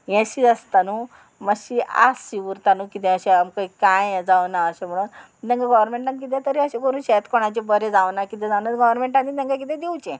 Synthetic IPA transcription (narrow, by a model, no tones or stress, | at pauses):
jɛ̃ɕid͡zəst̪anu | məɕia̰sːiʋuɾt̪anukit̪ɛ̃əɕɛamkaikajd͡zaʋnaəɕẽm̤əɽ̃uːn | t̪jɛ̃ŋkaɡɔʋɾmeɳʈankit̪̬ʰɛ̃t̪əɾiəɕẽkəɾuːnɕɛt̪koɽ̃at͡ɕebəɾed͡zaʋnakit̪ɛ̃d͡zaʋnaɡəʋɾmeɳʈanːit̪ɛ̃ŋkak̬it̪ɛ̃d̪ewt͡ɕẽ